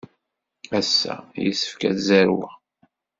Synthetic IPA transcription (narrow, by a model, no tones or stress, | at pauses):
æsːæ̰jə̰sːə̥fkæθzæɾwæ